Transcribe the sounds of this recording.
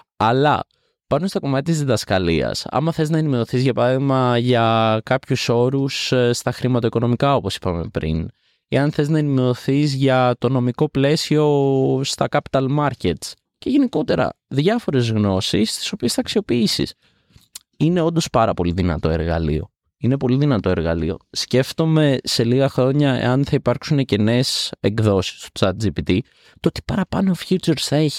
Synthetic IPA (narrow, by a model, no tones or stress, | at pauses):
ɐlɐ̰ | pɐnunst̪o̞ko̞mɐtc̪et̪izðiðɐskɐliɐ̰sɐ̰mɐθe̞znɐenime̞oθizʝɐpɐɾɐðimɐʝɐkɐpçuso̞ɾusst̪ɐxɾimɐt̪o̞iko̞no̞mikɐo̞po̞si̥pɐme̞̰pɾḭn | eɐnθe̞znɐenime̞oθizʝɐt̪o̞no̞miko̞ple̞sio̞st̪ɐkɐpi̥t̪ɐlmɐɾcet̪s | ce̞ʝe̞niko̞t̪e̞ɾɐ̰ | ðʝɐfo̞ɾe̞zɣno̞sist̪i̥so̞piesθɐksio̞piisḭs | ine̞o̞nd̪o̞spɐɾɐpo̞liðinɐ̰t̪o̞e̞ɾɣɐ̰lḭo̞̰ | ine̞po̞liðinɐt̪o̞e̞ɾɣɐlḭo̞̰sce̞ft̪o̞me̞se̞liɣɐxɾo̞ɲɐḛɐnθɐipɐɾksunece̞ne̞seɡðo̞si̥st̪ot͡sɐt̪̚d͡zipit̪i | t̪oot̪i̥pɐɾɐpɐno̞fç̥ut͡seɾsθɐe̞çi̥